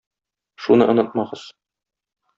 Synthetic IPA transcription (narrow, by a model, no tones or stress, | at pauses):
ʃunɤ̰ʔŏnɤt̪̚mɑʁɤz̥